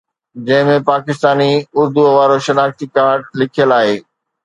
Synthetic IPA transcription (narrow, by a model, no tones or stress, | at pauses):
d͡ʑɐ̃ɦɪ̃mẽpaːkɪst̪aːniʊɾd̪uʋaːɾoʃɐnaːkt̪ikaːɾɖlɪkʰijəlaːɦeː